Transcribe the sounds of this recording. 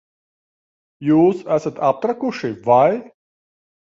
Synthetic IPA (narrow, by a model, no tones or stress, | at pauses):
juːsæsɐt̪ap̚t̪ɾɐkuʂiʋaj